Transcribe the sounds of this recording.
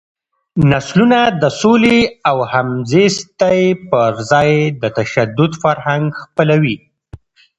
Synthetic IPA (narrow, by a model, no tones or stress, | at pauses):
naslunad̪əsoleawhamzest̪ajpəɾzɑjd̪ət̪aʃad̪ʊd̪faɾhaŋɡxpəlawi